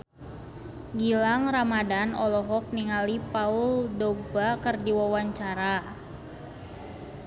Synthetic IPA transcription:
ɡilaŋramadanɔlɔɦɔk̚niŋalipauldɔɡ̚bakərdiwawaɲt͡ʃaɾa

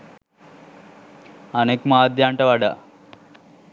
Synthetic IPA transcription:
ɐneːkmaːd̪ʱjaːɳʈɐʋɐɽa̰

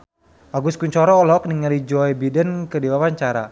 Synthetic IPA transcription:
ʔaɡuskuɲt͡ʃɔɾɔːlɔk̚niŋalid͡ʒɔjbidənkədiwawaɲt͡ʃaɾa̰

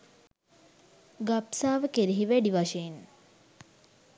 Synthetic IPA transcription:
ɡapsaːʋəkeɾiɦiʋæɖiʋaʃeːn

